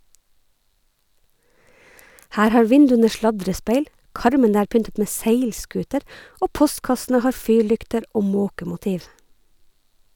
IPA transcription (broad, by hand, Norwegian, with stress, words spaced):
ˈhæːɾ ˈhɑːɹ ˈʋɪndʉənə ˈʃlɑdɾəˌspeɪl ˈkɑɾmənə ˈæːɾ ˈpʏntət ˈmeː ˈseɪlˌskʉːtəɾ ˈʔoː ˈpɔstkɑsn̩ə ˈhɑːɹ ˈfyːɹˌlʏktəɾ ˈoː ˈmoːkəmʊˌtiːʋ